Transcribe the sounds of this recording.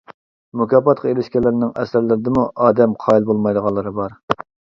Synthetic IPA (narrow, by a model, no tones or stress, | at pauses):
mukʰʲɑːpɑt̪qʰɑelɪʃkʲɛlɪɾnɪŋɛ̰sæɾlɪɾɪd̪ɪmuʔɑːd̪ɛmqʰɑːilˠbolˠmɑjd̪əʁɑnlˠːɨɾɨbɑɾ